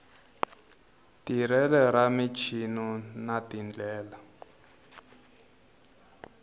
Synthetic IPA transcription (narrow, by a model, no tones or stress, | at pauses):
tiɾɛlɛɾamit͡ʃʰinunatind͡ɮɛːla